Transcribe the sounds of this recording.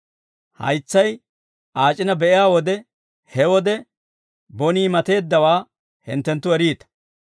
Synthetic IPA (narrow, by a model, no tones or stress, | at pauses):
hɐ̰jt͡sːɐj | ʔaːt͡ʃʼːɪnɐbɛʔɪjaːwɔd̪ɛ | hɛwɔd̪ɛ | bɔniːmɐt̪e̞ːd̪ːɐwaː | hɪ̰nt̪ːɛnt̪ːʊɛɾiːt̪ɐ̥